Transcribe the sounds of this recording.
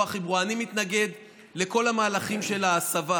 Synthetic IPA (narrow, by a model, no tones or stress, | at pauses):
aχibuanimit̪naɡe̞d̪ | le̞ko̞lamaːlaχimʃe̞laːsava